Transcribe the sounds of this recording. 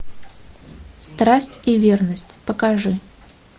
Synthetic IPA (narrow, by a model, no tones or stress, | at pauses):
st̪ɾasʲtʲivʲernəsʲtʲpəkɐʐɨ